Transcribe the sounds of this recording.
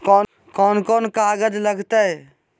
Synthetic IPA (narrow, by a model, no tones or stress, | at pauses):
kɔː | kɔːnkɔːnkaːɡəd͡ʒləɡt̪ə